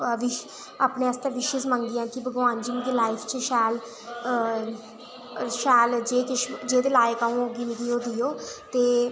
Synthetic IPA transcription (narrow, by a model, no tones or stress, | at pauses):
ʋɪʃ | aːpneːəst̪ãːʋɪʃəsmə̃ŋɡɡ̪ɪjãːkɪbəɡaːnd͡ʒimɡ̪iːlaːɪpʰt͡ʃəʃɛːl | ʃɛːld͡ʒeːkɪʃd͡ʒeːd̪eːlaːjekaũːoɡinɪɡiːoːd̪ijoːt̪eː